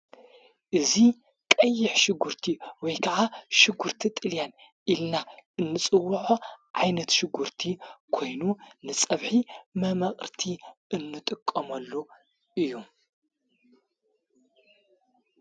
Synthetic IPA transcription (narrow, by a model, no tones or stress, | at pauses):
ʔɨzi | kʼɐjːɪħʃɪɡuɾt̪ʰiwɔjkʰɐʕaʃɨɡuɾt̪ʰit̪ʼɨljan | ʔilnaʔɨnːɨt͡sʼɨwːɐħoʕajnɐt̪ʃɪɡuɾt̪ʰikʰo̞jnunɨt͡sʼɐβħimɐmɐχʼɾt̪ʰiɨnːɨt̪ʼɨkʼːɐmɐlːu | ʔɨjːu